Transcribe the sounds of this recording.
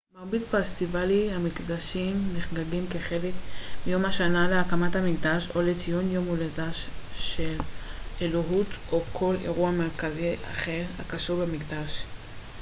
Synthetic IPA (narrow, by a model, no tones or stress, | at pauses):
maʁbidfast̪ivalihamikdaʃimneχɡaɡimke̞χe̞lekbijo̞mhaʃanaleakamathamikdaʃo̞let͡sijonjo̞muledaʃʃeleloɦutokʰo̞le̞̰ʁuameʁkaziʔa̰χeʁha̰kaʃubemikd̪aʃ